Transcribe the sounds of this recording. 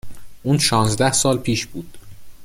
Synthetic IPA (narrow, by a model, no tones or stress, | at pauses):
ʔuːnʃɒːnzd̪æhsɒːlpʰiːʃb̥uːd̪̥